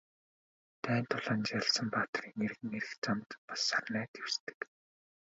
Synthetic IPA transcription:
t̪ʰæːnt̪ʰʊɮ̥aːnt͡ɕaɮsə̆mpaːt̪̆riːŋeɾ̆ɣɘ̆ŋeɾɘ̆xt͡samt̪pḁsːarnæːt̪ʰew̥st̪ɘ̥̆k

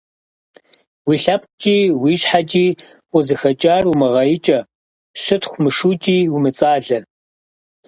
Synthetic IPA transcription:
wiːɬɐp̚t͡ʃʼiːwiːʃħat͡ʃʼiː | ʔʷʊzɨxɐt͡ʃʼaːrumɐʁɐjɪt͡ʃʼɐ | ʃɨtxʷmɨʂuːt͡ʃʼiːwumɨt͡sʼaːɮɐ

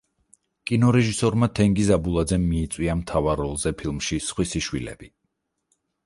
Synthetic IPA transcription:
kʼinɔɾɛʒisɔɾmat̪ʰɛŋɡizabulˠad̪zɛmːiːt̪sʼwiamt̪ʰavaɾɔlˠzɛpʰilˠmʃisχwisiʃwilɛ̰b̥i

